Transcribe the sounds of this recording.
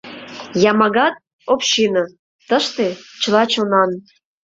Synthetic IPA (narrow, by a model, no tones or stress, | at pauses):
jɑmɑɣɑt̪̚ | opɕinɑ | t̪əʃt̪et͡ɕəlɑt͡ɕonɑn